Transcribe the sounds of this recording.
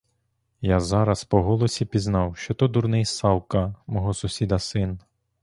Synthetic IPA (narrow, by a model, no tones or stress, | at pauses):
jazɑɾɐspɔɦɔlˠɔsʲipʲiznɑwʃt͡ʃɔt̪ɔd̪uɾnɪjsɑwˠkɐmɔɦɔsʊsʲid̪ɐsɪn